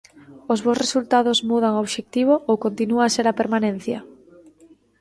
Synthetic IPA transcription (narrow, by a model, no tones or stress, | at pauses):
ozβowsresult̪aðʊzmuðaŋoβʃek̚t̪iβoʔowkont̪inuaseɾapeɾmanẽn̟θjɐ